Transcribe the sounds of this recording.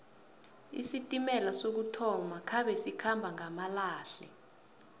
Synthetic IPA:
ḭsitʼimɛlasok̬utʰɔmakʰaɓɛsikʰambʱaŋamalaːɬɛ

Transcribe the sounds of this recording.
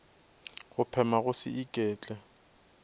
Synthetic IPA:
ɣʊpʰɛmaɣʊsɪ̰ʔikʼɛːt͡ɬʼɛ

